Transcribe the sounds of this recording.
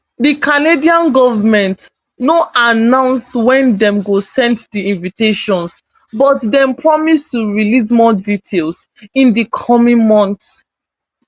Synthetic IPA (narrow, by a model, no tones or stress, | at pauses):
dikʰanediãnɡɔvamɛ̃nt | noʔanãʊ̃nswɛ̃ndɛ̃mɡosɛ̃nddiĩnviteʃɔ̃ns | bɔtdɛ̃mpʰɹɔmistuɹilizmɔditʰelˠs | ĩndikʰɔmĩnmɔ̃nts